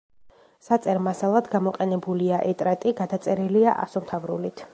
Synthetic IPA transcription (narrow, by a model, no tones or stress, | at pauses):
sat̪sʼɛɾmasalˠad̪ɡamɔqʼɛnɛbuliaʔɛt̪ʼɾat̪ʼiɡad̪at̪sʼɛɾiliaʔa̰sɔmt̪ʰavɾṵlit̪ʰ